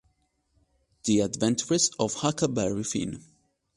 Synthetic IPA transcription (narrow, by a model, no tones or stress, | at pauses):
ð̥iadvɛ̃ntʰəɹɪsɔvhakabɛɹifḭ̃n